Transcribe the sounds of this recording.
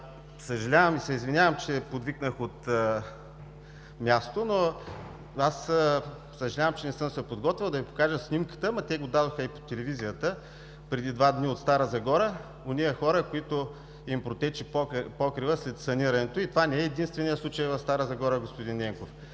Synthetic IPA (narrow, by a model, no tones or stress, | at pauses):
səʒɐlʲavəmisɛizvinʲjavəmt͡ʃɛpod̪viknəxot̪ | mʲjast̪ono | asə | səʒɐlʲavəmt͡ʃɛnɛsɤmsɛpod̪ɡɔt̪vʲilˠd̪ɐvipo̥kaʒəsnimkə̥t̪əmɐt̪ɛɡod̪ad̪oxəipo̥t̪ɛlɛvizijət̪ə | pɾɛd̪id̪vad̪niot̪st̪aɾəzɐɡɔɾə | oniəxɔɾəkoit̪o | impɾot̪ɛt͡ʃippɔkɾivəslɛt̪sɐniɾɐnɛt̪oit̪ovanɛɛːd̪inst̪vɛnʲijəslˠut͡ʃəjvɐfst̪aɾəzɐɡɔɾəɡospʊd̪inːɛŋkof